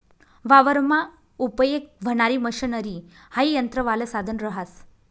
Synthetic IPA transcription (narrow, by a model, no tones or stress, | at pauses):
ʋaʋəɾma | upəjek̚ʋ̤əɽ̃aɾiːməɕənəɾi | haijənt̪ɾəʋaləsad̪ʱənɾəɦas